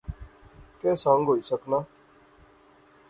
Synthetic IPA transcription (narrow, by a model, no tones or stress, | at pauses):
kɛ̃ːsãːŋɡʱɦoːiːsəknaː